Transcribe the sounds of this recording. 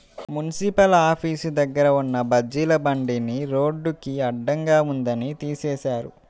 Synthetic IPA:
munisipɐlaːpʰiːsud̪ɐɡːɐɾɐunːɐbɐd͡ʒilɐbɐɳɖiniɾo̞ːɖːukiɐɖːɐŋɡaːund̪ɐnit̪iːseːʃaːɾṵ

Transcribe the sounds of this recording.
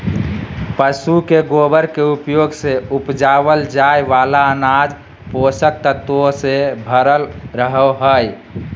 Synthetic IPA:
pəsukeɡobəɾkeupjoɡseupd͡ʒaβəld͡ʒajʋalaənad͡ʒ | posək̚t̪ət̪osebʱəɾəlɾəɦəɦəj

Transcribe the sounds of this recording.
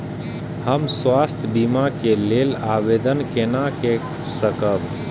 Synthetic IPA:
həmswast̪ʰjbimakelelabed̪ənkenake | səkəb

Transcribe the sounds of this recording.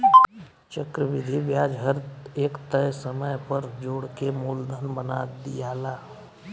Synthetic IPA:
t͡ʃəkɾəʋɪd̪ʱiʋjaːd͡ʒɦəɾeːkt̪əjsəməjpəɾd͡ʒoːɽkemuːld̪ʱənbənaːd̪ijaːlaː

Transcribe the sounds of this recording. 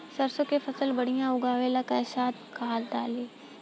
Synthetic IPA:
sɐɾsokefʰɐsəlbɐɽ̤ijãʊɡaːʋeːlakɐːsaːt̪̚kaɦaːt̪̚ɖ̪aːleː

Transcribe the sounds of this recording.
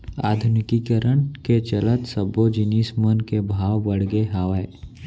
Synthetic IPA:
a̰ːd̪ʱʊnɪkikəɾəɳket͡ʃələt̪səbod͡ʒɪniːsmənkebʱaːwbəɽɡeɦaːʋəe

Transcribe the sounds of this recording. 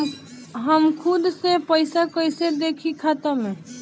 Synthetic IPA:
ɦəmkʰʊd̪sepəɪsakəɪsed̪eːkʰikʰaːt̪amẽ

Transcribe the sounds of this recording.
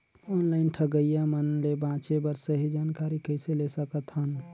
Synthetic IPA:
ɔnlaɪnʈʰəɡəjamənlebãt͡ʃebəɾsəɦid͡ʒaːnkaɾikəɪselesəkət̪ɦən

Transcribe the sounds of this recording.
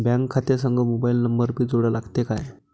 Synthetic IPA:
bjãŋɡkʰːat̪esəŋɡʱəmobailnəmbəɾbʱiːd͡zoɽəlaɡt̪ekaj

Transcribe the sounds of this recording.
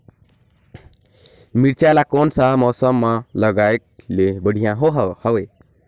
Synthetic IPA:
miɽt͡ʃalakonsaɦmɔsəmːaləɡaek̚lebəɽ̤ʱijãɦoɦhəwe

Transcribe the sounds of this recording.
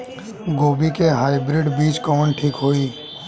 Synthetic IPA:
ɡoːbikeɦaːɪbɾɪɖbiːt͡ʃkɔːnʈʰiːkɦoːiː

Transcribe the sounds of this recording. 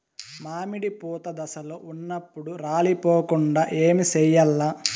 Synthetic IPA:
maːmiɽipuːt̪ɐd̪ɐsɐloːunːɐpːuɽuɾaːlipoːkuɳɖaːʔeːmisɛjɐlːa

